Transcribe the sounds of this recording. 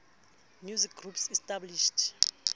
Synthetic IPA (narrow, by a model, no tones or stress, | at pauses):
mjuzik̚ɡrupsɛstʼabliʃt